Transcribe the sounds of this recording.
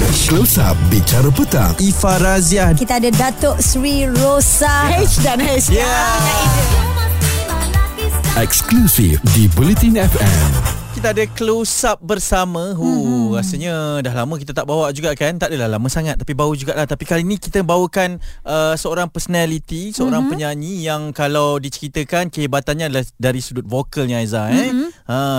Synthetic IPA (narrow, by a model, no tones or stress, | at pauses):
klosa̰p̚bit͡ʃaɾəpət̪a̰ŋifaɾaziakit̪aːdadat̪ɔʔsɾiɾosahet͡ʃdanhɛt͡ʃja | ɛksklusifdibulit̪ĩnɛfɛ̰̃mkit̪aadəklosap̚bərsamə̃ɦurasəɲadaɦlamə̃k̬it̪at̪aʔbawaʔd͡ʒuɡaʔkant̪aʔdalahlamə̃saŋat̪̚ːapibawud͡ʒuɡaʔlaht̪apikalinĩkit̪əbawəkanʔəsəoɾaŋpəsonalit̪isəoɾaŋpəɲaɲĩjaŋkalawdit͡ʃəɾit̪əkankəɦibat̪anɲaadalahdaɾisudut̪̚fokəlɲaajzaɛã